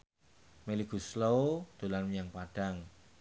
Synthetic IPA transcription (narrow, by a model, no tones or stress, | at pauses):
meliɡ̥ṳslot̪ulanmjaŋpaɖ̥aŋ